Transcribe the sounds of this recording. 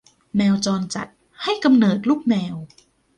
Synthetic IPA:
nɛː˧wt͡ɕɔː˧nt͡ɕa̰˨˩t̪̚ | ha˥˩jka˧mnɤː˨˩t̪̚luː˥˩k̚nɛː˧w

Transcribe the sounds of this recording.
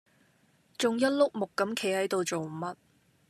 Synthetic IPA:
t͡ʃʊ˨ŋjɐ˥t̚lʊ˥k̚mʊ˨kːɐ˨˥mkʰe˨˥hɐ˨˥jt̪o˨wt͡so˨wm̩˨mɐ˦t̚

